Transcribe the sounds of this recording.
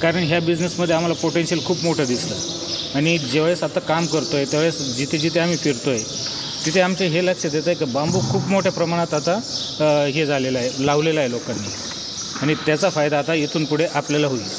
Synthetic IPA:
kaɾəɳɦjabid͡znesməd̪ʱːeam̤alapoʈensiəlkʰuːpmoʈʰəd̪islə | aɽ̃id͡ʑeʋaɭjesat̪akamkəɾt̪ojet̪eʋaɭjesd͡ʑit̪ʰed͡ʑit̪ʰeam̤iːfiɾt̪oje | t̪it̪ʰeamt͡ɕeɦeləkʂəd̪jet̪aɦjekibambuːkʰuːpmoʈʰjepɾəmaɽ̃at̪at̪a | ɦed͡zʱaleləaɦelaʋleləaɦelokanːḭ | aɽ̃it̪jat͡safajd̪aːt̪ajet̪ʰuːnpuɽ̤eʔapljalaɦoi

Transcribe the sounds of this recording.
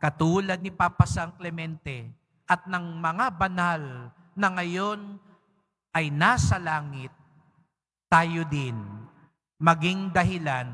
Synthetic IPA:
kɐt̪uːlɐd̪̚nɪpapɐsɐŋklɛmɛnt̪ɛ | ʔɐt̪̚nɐŋmɐŋabɐnal | nɐŋɐjo̞n | ʔɐjnaːsɐlaːŋɪt̪̚ː | aːjod̪ɪn | mɐɡiŋd̪ɐɦɪlan

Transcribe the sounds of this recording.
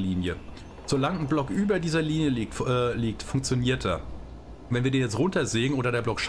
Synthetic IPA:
liːnjə | z̥olaŋənblɔkʔyːbɐdiːzɐliːnjəliːktːliːk̚tfʊŋk̚t͡sjoniːɐt̚d̥aɐ | vɛnviːɐdeːnjɛt͡stʁʊntɐzeːənʔoːdɐɾeːɐblɔkʃ

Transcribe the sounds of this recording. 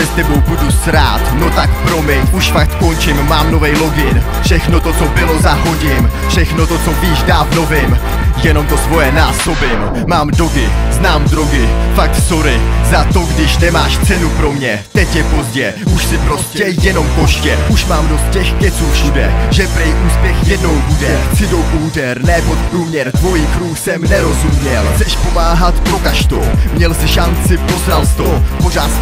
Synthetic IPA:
ɛst̪ɛbo̞wbudusɾaːt̪no̞t̪akpɾo̞mɪnʔuʃfak̚t̪ko̞nt͡ʃɪmːaːmno̞vɛjlo̞ɡɪn | fʃɛxno̞t̪ot͡so̞bɪlo̞zaɦoɟɪmfʃɛxnot̪o̞t͡so̞viːʃdaːvno̞vɪm | jɛno̞mt̪o̞svo̞jɛnaːso̞bɪm | maːmdo̞ɡɪznaːmdɾoɡɪfak̚t̪so̞ɾɪzat̪o̞ɡdɪʃnɛmaːʃt͡sɛnupɾo̞mɲɛ | t̪ɛcjɛpo̞zɟɛ | ʔuʃsɪpɾo̞scɛjɛno̞mko̞ʃcɛʔuʃmaːmdo̞st̪̚cɛxkɛt͡suːʃudɛ̰ʒɛpɾɛjʔuːspjɛxjɛdno̞wbudɛt͡sɪdowkuɦudɛɾnɛːpot̪̚pɾuːmɲɛɾt̪vo̞jiːkɾuːxsɛmnɛɾo̞zumɲɛlzɛʃpo̞maːɦat̪pɾo̞kaʃt̪owmɲɛlsɪʃant͡sɪpo̞zɾalst̪opo̞z̝aːt̪

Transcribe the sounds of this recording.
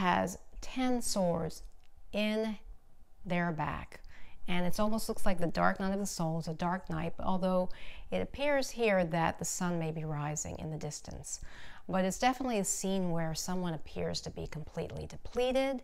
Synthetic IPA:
ɨ̰z̥tʰɛ̃nsɔɹdz̥ɪ̃n | ðə˞bæ̰kɨ̃nɨtsɔlˠmoʊstˡlʊkslaɪk̚ðɨdɑ̰ɹk̚naɪɾʌvðəsoʊlˠəzədɑɹk̚naɪtɔ̰lˠðoʊɨɾɨpʰɪɹz̥hiɹðɨt̪̚ðɨsʌ̃nmeɪbiɹaɪzɪ̰̃ŋɨ̰̃nðɨdɪstɨ̰̃nsb̥ʌɾɨtsd̥ɛfənətˡliɨsĩnwə˞sʌ̃mwʌ̃ñɨpʰɪɹz̥tʰɨbḭkʰm̩pʰl̥ḭʔˡlḭdɨpʰl̥iɾɪd̥

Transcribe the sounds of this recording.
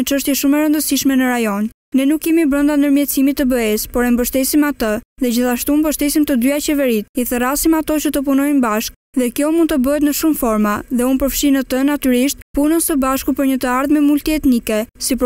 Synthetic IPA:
ət͡ʃəʃt̪jɛʃumɛɾənd̪əsiʃmɛnəɾajɔn | nɛnukːɛmibɾənd̪and̪əɾmjɛt̪simit̪ːəbəɛspɔɾɛmbəʃt̪ɛsimat̪əðɛd͡ʑiθaʃt̪umbəʃt̪ɛsimt̪əd̪yat͡ɕɛvɛɾit̪̚iθəɾasimat̪ɔt͡ɕət̪əp̬unɔjnbaʃk̚ | ðɛkjɔmũnd̪t̪əbəɛt̪nəʃumfɔɾmaðɛunpəɾfʃinət̪ənat̪yɾiʃt̪̚punəsəbaʃkupəɾɲət̪əaɾðmɛmult̪iɛt̪nikɛsip

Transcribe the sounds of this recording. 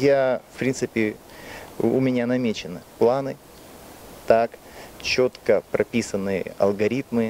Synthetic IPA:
jafpɾʲint̪sɨpʲɪ | ʊ̰mʲɪnʲanɐmʲet͡ɕɪnɨplˠanɨ | t̪ak | t͡ɕot̪kəpɾʔɐpʲisənːɨjə̰ɐ̰lˠɡɐɾʲit̪mɨ

